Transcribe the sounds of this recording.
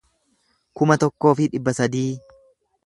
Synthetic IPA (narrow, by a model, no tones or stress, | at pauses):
kʊmɐt̪ɔkːo̞ːfɪᶑɪbːɐsɐd̪iː